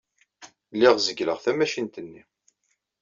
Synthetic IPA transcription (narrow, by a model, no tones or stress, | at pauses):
lːiʁzəɡlə̰ʁθæmæʃint̪ənːi